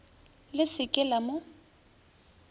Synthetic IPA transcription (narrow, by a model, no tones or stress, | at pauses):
lɪsɪkʼɪlamʊ